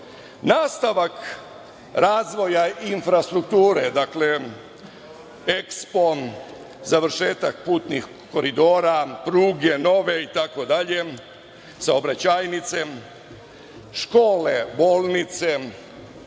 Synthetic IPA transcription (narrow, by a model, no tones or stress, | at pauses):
naːst̪aʋak | ɾaːzʋo̞jainfɾast̪ɾukt̪uːɾed̪akle | ekspo̞ | zaʋɾ̩ʃeːt̪ak̚puːt̪nix | ko̞ɾid̪o̞ːɾapɾuːɡeno̞ʋe̞it̪ako̞d̪aʎe̞ | saobɾat͡ɕaːjnit̪se̞ | ʃko̞ːlebo̞ːlˠnit̪se